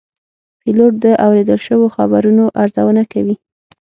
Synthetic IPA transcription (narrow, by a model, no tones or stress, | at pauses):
piloʈ̚d̪əʔawɾed̪əlʃəwoxabaɾunoʔaɾzawənakawi